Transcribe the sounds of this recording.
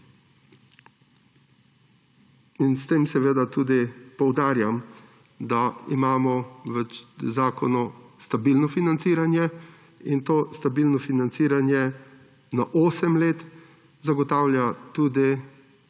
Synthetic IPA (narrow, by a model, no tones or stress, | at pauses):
inst̪eːmsɛʋeːd̪at̪uːd̪ipɔwd̪aːɾjam | d̪aḭmaːmɔʋɛt͡ʃzaːkɔnɔst̪abilnɔfinant̪siːɾanjɛ | int̪oːst̪abilnɔfinant̪siːɾanjɛ | naʔoːsɛmleːt̪ | zaɡɔt̪aːwljat̪uːd̪i